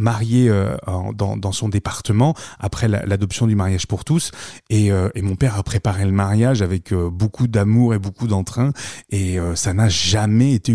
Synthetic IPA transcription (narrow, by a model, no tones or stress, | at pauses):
maʁjeøɑ̰̃d̪ɑ̰̃d̪ɑ̃sɔ̃d̪epaʁt̪əmɑ̃apχɛla̰lad̪ɔpsjɔ̃d̪ymaʁjaʒpuʁt̪useøemɔ̃pɛʁapχepaʁeləmaʁjaʒavɛkʰøbokʰud̪amuʁebokud̪ɑ̃t̪χɛ̃eøsanaʒamɛet̪e